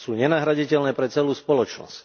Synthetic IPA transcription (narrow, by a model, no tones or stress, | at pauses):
suːɲɛnaɦɾaɟicɛlnɛːpɾɛt͡sɛluːspɔlɔt͡ʃnɔ̰sc